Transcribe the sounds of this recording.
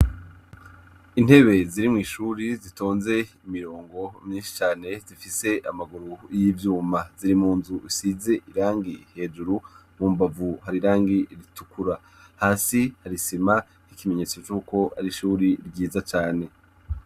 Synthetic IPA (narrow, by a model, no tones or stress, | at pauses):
in̥he̞βe̞ziɾimŋiːʃuɾizito̞ːnze̞imiɾo̞ːŋɡo̞mɲiːnʃi̥t͡ʃaːne̞zifise̞ʔamaɡuɾujivjuːmaziɾimuːnzuisize̞ʔiɾaːŋɡihe̞ːd͡ʒuɾumuːmbavuɦaɾiɾaːŋɡiɾitukuɾa | haːsihaɾisima | hikime̞ɲe̞ːt͡so̞t͡ʃuːko̞a̰ɾiʃuːɾiɾɟiːzat͡ʃaːne̞